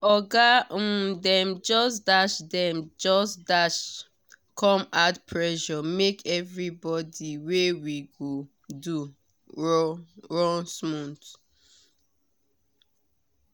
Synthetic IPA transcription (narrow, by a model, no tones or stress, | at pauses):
ɔɡadɛ̃md͡ʒɔsdaʃdɛ̃md͡ʒɔsdaʃ | kʰɔ̃matpʰɹɛʃɔmekʰɛvɹibɔdiwewiɡo | du | ɹɔ̃nsmũnt